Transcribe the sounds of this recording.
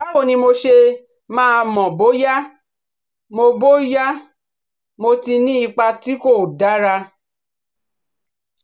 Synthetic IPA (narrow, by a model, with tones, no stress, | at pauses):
a˦o˦˨nĩ˧mo˧ʃe˧ | mãː˦˧mɔ̃˨bo˦ja˦ | mo˧bo˦ja˦ | mo˧ti˧nĩ˦i˧k͡pa˧ti˦ko˦˨da˨˦ɾa˧